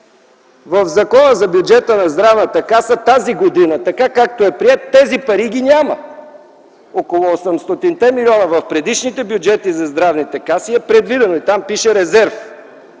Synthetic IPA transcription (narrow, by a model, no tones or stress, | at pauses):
vəvzɐkɔnəzɐbjud͡ʒɛt̪ənɐzd̪ɾavnət̪ɐkasət̪aziɡod̪inət̪ɐkakak̚t̪oɛpɾiɛt̪ːɛzipɐɾiɡ̟inʲamə | okolˠoosɛmst̪ot̪int̪ɛmilʲiɔnəvɐfpɾɛd̪iʃnit̪ɛbjʊd͡ʒɛt̪izɐzd̪ɾavnit̪ɛkasiɛpɾɛd̪vid̪ɛnoit̪ampiʃɛɾɛzɛɾf